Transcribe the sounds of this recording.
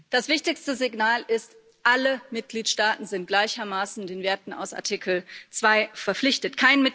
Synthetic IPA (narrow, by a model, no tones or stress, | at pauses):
d̥asv̥ɪçtɪçstəzɪɡnaːlʔɪst | ʔaləmɪt̚ɡ̥liːtʃtaːtn̩zɪnt̚ɡ̥laɪçɐmaːsn̩deːnveːɐtn̩a̰ʊsa̰ɐtʰiːkʰl̩t͡sv̥aɪfɛɐpflɪçtətkʰaɪnmɪt